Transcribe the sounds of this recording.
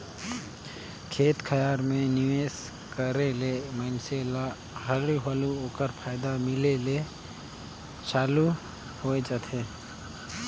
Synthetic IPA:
kʰeːt̪kʰəjaːɾmẽnɪʋeːs | kəɾeleməɪnsela | ɦəɾiɦəluoːkəɾpʰaːɪd̪amɪlele | t͡ʃaːlu | hoːed͡ʒət̪ʰeː

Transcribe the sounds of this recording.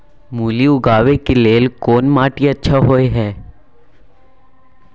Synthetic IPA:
muːliʊɡaːʋekeleːlkoːnmaːʈiɐtːʃʰaɦoeɦɛː

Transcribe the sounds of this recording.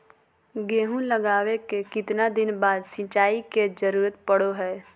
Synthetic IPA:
ɡeːɦũləɡaːwekekɪt̪nad̪ɪnbaːd̪sɪ̃t͡ʃaːiked͡ʒəɾuːɾət̪pəɽoɦɛː

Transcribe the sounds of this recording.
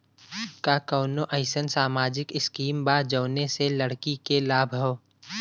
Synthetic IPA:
kakɔːnoʔəɪsənsaːmaːd͡ʒɪkɪskiːmbaːd͡ʒəːneseləɽkikelaːbʱɐw

